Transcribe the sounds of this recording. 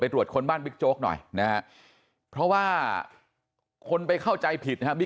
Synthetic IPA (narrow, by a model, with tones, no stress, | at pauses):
a˧jt̪ɾu˨˩ət̪̚kʰo˧nbaː˥˩nbi˦˥k̚t͡ɕoː˦˥k̚nɔ̰˨˩jna˦˥ha˦˥ | pʰɾɔ˦˥waː˥˩ | kʰo˧npa˧jkʰa˥˩wt͡ɕa˧jpʰi˨˩t̪̚ʰa˦˥bi˦